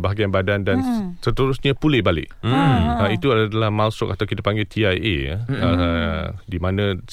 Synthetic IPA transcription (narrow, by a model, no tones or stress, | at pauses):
baɦaɡianbadandansət̪əɾusɲãpulɪbalɪ̰k̚ | ait̪uadalahmasʊk̚at̪awkit̪apaŋɡɪlt̪ʰiajʔḛa̰ə | dimãnə̃